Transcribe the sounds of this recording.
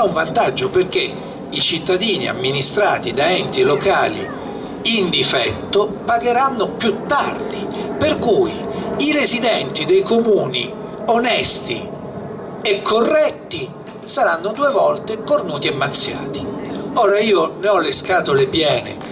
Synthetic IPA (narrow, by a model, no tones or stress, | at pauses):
uɱvant̪ad͡ʒːoperke | it͡ʃit̪ːad̪iːnḭa̰mːinist̪ɾaːt̪id̪aɛnt̪ilokaːlḭ | ind̪ifɛt̪ːopaɡeɾanːopjut̪ːa̰rd̪iperkuːjiɾezid̪ɛnt̪id̪ejkomuːnḭ | onɛst̪ḭ | ekʰːorːɛt̪ːi | saɾanːʊd̪uːevɔlt̪ekornuːt̪iemːat̪sːja̰ːt̪ioːɾaiːoneɔlːeskaːt̪olepjɛːnɪ̰